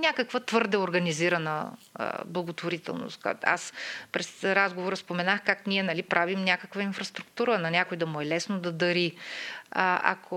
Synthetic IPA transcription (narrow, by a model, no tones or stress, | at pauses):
nʲakəkvət̪vɤɾd̪ɛoɾɡɐniziɾɐnə̰ | blˠɐɡot̪voɾit̪ɛ̰lˠno̰st̪ka̰t̪a̰spɾɛsɾazɡovoɾəspomɛnaxkaknʲiɛnɐlipɾʔavimnʲakəkvəinfɾɐst̪ɾʊk̚t̪uɾənɐnʲakojd̪ɐmʊɛlɛsnod̪ɐd̪ɐɾi | a̰kʰo